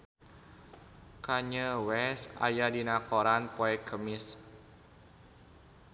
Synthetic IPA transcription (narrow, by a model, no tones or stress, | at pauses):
kaɲəwɛsa̰jadinakoɾanpoɛkʰəmɪs